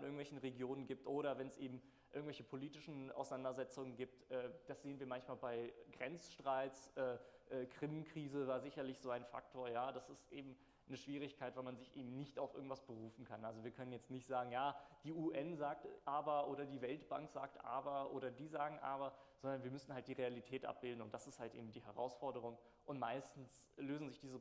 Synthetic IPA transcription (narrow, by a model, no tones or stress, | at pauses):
nɪɐɡŋ̩vɛlçn̩ʁeɡjoːnənɡiːp̚tʔoːɾɐvɛnsʔeːbm̩ | ʔɪɐɡŋ̩tvɛçə̥pʰoliːtɪʃn̩ʔa̰ʊsanandɐzɛt͡sʊŋənɡiːp̚tʔɛːd̥asz̥eːənviːɐmançmaːlbaɪɡʁɛnt͡sʃtʁ̥aɪt͡sʔɛːʔɛːkʁ̥ɪmnkʁ̥iːzəvaːɐzɪçɐlɪçz̥oːaɪnfa̰k̚tʰoːɐjaːd̥asɪstʔeːbm̩ | nəʃv̥iːʁ̞ɪçkʰaɪtv̥almanzɪçʔḛːbm̩nɪçtaʊfɪ̰ɐɡŋ̩tv̥asb̥əʁuːfn̩kʰanʔalzoviːɐkʰœnənjɛt͡stnɪçtz̥aːɡŋ̩jaːd̥iːʔuːʔɛnzaːk̚tʔaːbɐʔoːɾɐdiːvɛltb̥aŋkz̥a̰ːktʔa̰ːbɐʔo̰ːɾɐdiːzaːɡŋ̩ʔa̰ːbɐz̥ɔndɐnviːɐmʏsn̩halt̚d̥iːʁealitʰɛːtʔa̰p̚b̥ɪldn̩ʊntd̥asɪsthaltʔḛːbm̩diːɦɛʁa̰ʊsfɔɐdəʁ̞ʊŋ | ʔʊntmaɪstn̩s | løːzn̩zɪçd̥iːzə